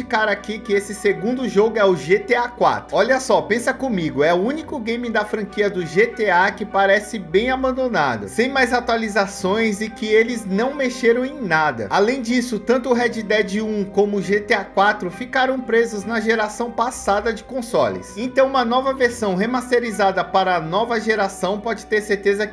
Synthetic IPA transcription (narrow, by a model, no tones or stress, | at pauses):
d͡ʒikaɾakikɪesɪseɡũnd̪ʊʒoɡʊɛʊʒet̪eakwa̰t̪ɾʊɔʎɐsɔpẽsɐkõmiɡʊɛʊũnikʊɡẽj̃mĩd̪ɐfɾɐ̃kiɐd̪ʊʒet̪eakɪpaɾɛsɪbẽj̃abɐ̃nd̪õna̰d̪ʊ̰sẽj̃majzat̪ualizasõj̃zɪkɪelɪznɐ̃w̃meʃeɾɐ̃w̃ẽj̃nad̪ɐ̰alẽj̃d͡ʒisʊt̪ɐ̃nt̪ʊːɦɛd͡ʒɪd̪ɛd͡ʒɪũkõmʊʒet̪eakwat̪ɾʊfikaɾɐ̃w̃pɾezʊznɐʒeɾasɐ̃w̃pasad̪ɐd͡ʒɪkõsɔlɪ̰sẽnt̪ɐ̃w̃ũmɐnɔvɐveɾsɐ̃w̃ɦemast̪eɾizad̪ɐpaɾɐnɔvɐʒeɾasɐ̃w̃pɔd͡ʒɪ̥t̪eɾseɾt̪ezɐ